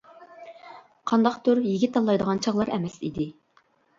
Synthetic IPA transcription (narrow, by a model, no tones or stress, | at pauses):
qʰɑnd̪ɑqt̪ʰʊɾjiɡʲit̪ʰːɑlˠːɑjd̪əʁɑnt͡ʃʰɑʁlˠɑɾɛmɛsḭd̪ɪ